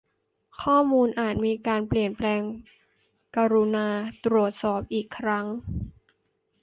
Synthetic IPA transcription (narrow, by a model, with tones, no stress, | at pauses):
kʰɔː˥˩muː˧nʔaː˨˩t̪̚miː˧kaː˧npli˨˩ənplɛː˧ŋ | kaː˧ɾu˧naː˧t̪ɾu˨˩ət̪̚sɔː˨˩p̚ʔiː˨˩kʰːɾa˦˥ŋ